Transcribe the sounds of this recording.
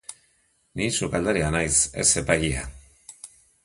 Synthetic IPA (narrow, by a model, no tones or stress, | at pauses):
nisukald̪aɾianajse̞̰se̞paʎia̰